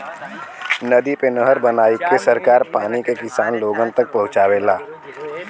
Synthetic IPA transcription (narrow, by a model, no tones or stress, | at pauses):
nəd̪ipenəɦəɾbənaːikesəɾkaːɾpaːnikekɪsaːnloːɡənt̪ək̚pɐɦʊ̃t͡ʃaːwelaː